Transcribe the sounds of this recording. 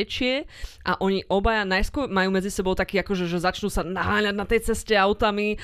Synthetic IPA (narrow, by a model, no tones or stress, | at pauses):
t͡ʃɪɛʔa̰ʔɔɲiʔɔbajanajskʊɔɾmajuːmɛd͡zisɛbɔʊt̪akiːakɔʒɛʒɛzat͡ʃnuːsanaɦaːɲaɟnat̪ɛjt͡sɛscɛaʊt̪ami